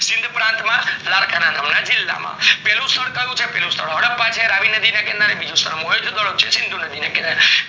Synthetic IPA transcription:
sɪ̃nd̪ʱpɾãnt̪mãlaɾkʰananamnad͡ʒɪlːa̰mã̰pɛlũst̪ʰəɭkajũt͡ʃʰepɛlũst̪ʰəɭɦəɽəpːãt͡ʃʰeɾaʋinəd̪ʱinekɛ̃nd̪aɾẽbid͡ʒũst̪ʰəɽmoɦed͡ʒud̪ɔɭək̚t͡ʃʰesɪnd̪ʱunəd̪ʱinekɛnd̪aɾ

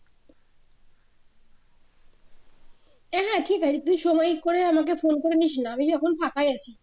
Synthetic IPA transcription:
ɛɦɛ̃ʈʰikɦat͡ɕʰit̪uʃɔmɔjkoɾeamak̬efonkoɾeniʃnaamid͡ʑɔkʰonpʰakajat͡ɕʰi

